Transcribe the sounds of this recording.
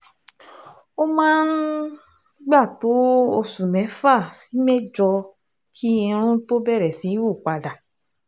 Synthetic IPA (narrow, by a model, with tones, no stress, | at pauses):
o˦mãː˦n̩ | ɡ͡ba˦˨to˨˦o˧sũ˨mɛ̃˨˦fa˦˨si˨˦mɛ˦˨d͡ʒɔ˧ | kʰi˦ĩ˧ɾ̃ũ˦to˦bɛ˦˨ɾɛ˨si˨˦wu˦˨k͡pa˧da˨